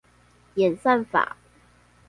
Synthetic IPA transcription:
jɛ˨˩nsa˥˩nfa̰˨˩˦

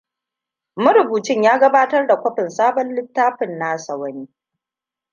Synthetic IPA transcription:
mʊ˦ɾʊ˨buː˨t͡ʃɪ˦ɲjaː˦ɡɐ˦baː˦tɐ˦rda˨kʷɐ˦ɸɪ˨nsaː˦bɔ˦nlɪ˦tːaː˦ɸɪ˨nːa˦sɐ˨wɐ˦niː˦

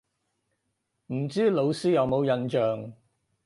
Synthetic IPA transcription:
m̩˨˩t͡siː˥lo˨˧wsiː˥jɐ˨˧wmo˨˧wjɐ˨˧nt͡ʃœː˨ŋ

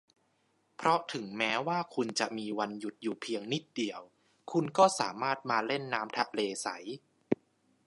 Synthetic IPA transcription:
pʰɾɔ˦˥t̪ʰɯ˩˦ŋmɛː˦˥waː˥˩kʰu˧nt͡ɕa˨˩ʔmiː˧wa˧nju˨˩t̪̚juː˨˩pʰi˧əŋni˦˥˩t̪̚di˨˩əw | kʰu˧nkɔː˥˩sa̰ː˩˦maː˥˩t̪̚maː˧le˥˩nːaː˦˥mt̪ʰa˦˧˥ʔleː˧sa̰˩˦j

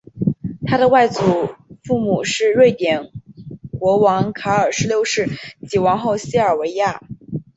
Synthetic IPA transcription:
t̪ʰa˥d̪ə˨wa˥˩ɪt͡su˨˩fu˥˩mu˨˩ʂɻ̩˥˧ɻwe˥˩ɪt̪jɛ˨˩nkwɔ˧˥wɑ˧˥ŋkʰa˧˥ə˞˨˩ʂɻ̩˧˥ljo˥˧ʊʂɻ̩˥˩t͡ɕi˨˩wɑ˧˥ŋxo˥˩˧ʊɕi˥ə˞˨˩we˧˥ɪja˥˩

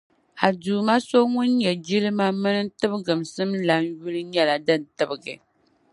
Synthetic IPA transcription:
a˨duː˨ma˦so˦ŋʊ˦nɲɛ˨d͡ʒi˦lɨ˦ma˦mɨ˦nɨ˦tɨ˦bɨ˦ɡɨ˨msɨ˦mla˨˦nju˦lɨ˦ɲɛ˦la˨dɨ˦˨n̩˨tɨ˦bɨ˨ɡɨ˨

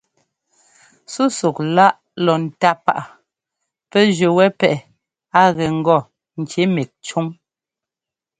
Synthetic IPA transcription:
su˦su˨k̚la˦ʔ | lɔ˨n̩˨ta˦pa˦˨ʔa˨ | pɛ˦ʒə˨wɛ˦pɛ˦ʔɛ˨ | a˦ɣɛ˨ŋ̩˨ɡɔ˦˨ | n̩˨t͡ʃe˨˦me˨k̚t͡ʃu˦ŋ

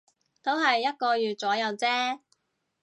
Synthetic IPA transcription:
t̪o˥wɦɐ˨jːɐ˥t̚kɔː˧jyː˨t̚t͡sɔː˨˥jɐ˨˧wt͡sɛː˥

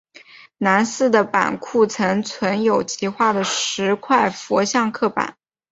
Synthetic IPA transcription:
na˧˥nsɹ̩˥˩d̪ə˩pa̰˨˩nkʰu˥˩t͡sʰɤ˧˥ŋt͡sʰwə˧˥njo˨˩ʊt͡ɕʰi˧˥xwa˥˩d̪ə˩ʂɻ̩˧˥kʰwa˥˩ɪfɔ˧˥ɕjɑ˥˧ŋkʰɤ˥˩pa̰˨˩˦n

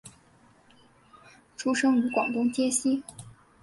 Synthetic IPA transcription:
ʈ͡ʂʰu˥ʂɤ˥ŋy˧˥kwɑ˨˩ŋt̪ʊ˥ŋt͡ɕjɛ˥ɕi˥

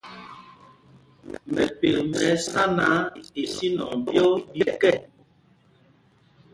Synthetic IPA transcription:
mɛ˨pe˨lmɛ˨˦sa˦na˨˦e˨si˦nɔ̰˨m˨bjɔ˦bi˨kɛ˦˨

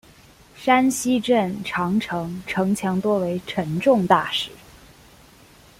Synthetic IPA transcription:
ʂa˥nɕi˥ʈ͡ʂə˥˩nʈ͡ʂʰɑ˧˥ŋʈ͡ʂʰɤ˧˥ŋʈ͡ʂʰɤ˧˥ŋt͡ɕʰjɑ˧˥ŋt̪wɔ˥we˧˥ɪʈ͡ʂʰə˧˥nʈ͡ʂʊ˥˧ŋt̪a˥˩ʂɻ̩˨˩˦

